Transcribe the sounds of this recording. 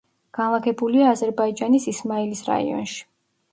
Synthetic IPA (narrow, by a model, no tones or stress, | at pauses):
ɡ̥anlˠaɡɛbuliaːzɛɾbaid͡ʒanisismaɛlisɾa̰ḭɔ̰nʃi̥